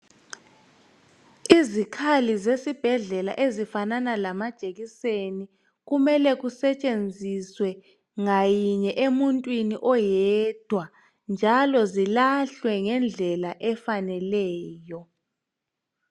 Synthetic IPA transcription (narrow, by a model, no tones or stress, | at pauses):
izikʰalizesib̥ʱɛɮɛla̰ʔezifananalamad̥ʒ̥ʼeɣiseni | ɣumɛlɛɣusɛt͡ʃʼend͡zʱiswɛ | ŋajiɲɛʔemuntʼwiniʔɔjɛd̥ʱwa | nd͡ʒʱalɔzilaɬwɛŋɛnd͡ɮʱɛlaʔɛfanɛlɛːjɔ